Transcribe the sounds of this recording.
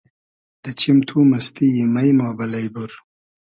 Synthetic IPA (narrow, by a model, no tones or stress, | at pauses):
d̪̥ət͡ɕʰimt̪ʰuːmɐst̪ijimɐjnaːbɐlɐjbuɾ